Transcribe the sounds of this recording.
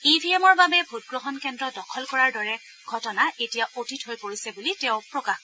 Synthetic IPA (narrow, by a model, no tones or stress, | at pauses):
ibʱiɛmɔɹbabɛbʱut̚ɡɹɔɦɔnkɛndɹɔdɔkʰɔlkɔɹaɹdɔɹɛ | ɡʱɔtɔnaʔetijaʔotitɦojpoɹisɛbulitɛʊ̃pɹɔkax